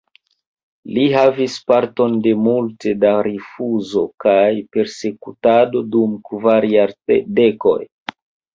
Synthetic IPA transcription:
liɦavispaɾto̞nde̞multe̞daɾifuzo̞kajpe̞ɾse̞kutado̞dumkvaɾjaɾede̞ko̞̰j

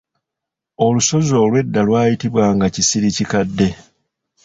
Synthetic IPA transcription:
o̞luso̞zo̞ːlwe̞dːalwaːjitiβwaːŋɡacisiɾicikadːe̞

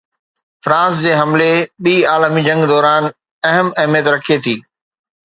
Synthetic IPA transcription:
fɾãːsd͡ʑeːɦɐmleɓiːaːlmid͡ʑɐ̃ŋɡd̪ɔːɾaːn | ɐɦəmɐɦmijət̪ɾɐkʰiet̪ʰiː

